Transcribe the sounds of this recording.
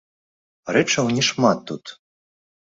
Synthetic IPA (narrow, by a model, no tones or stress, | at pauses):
ɾɛt͡ʂɐwnʲɛʂmat̪ːut̪